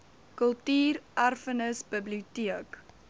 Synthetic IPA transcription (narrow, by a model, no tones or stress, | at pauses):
kəlˠtiːrʔærfənəsbəbliutiək